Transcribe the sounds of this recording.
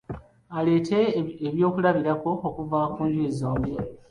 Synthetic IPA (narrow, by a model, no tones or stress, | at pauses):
ale̞ːtʰe̞ːβjo̞ːkulaβiɾako̞ːkuvaːkuːɲɟueːzoːmbe